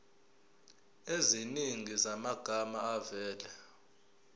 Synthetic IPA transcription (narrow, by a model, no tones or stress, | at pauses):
eziniŋizamaɡ̥ʱamaːvɛːlɛ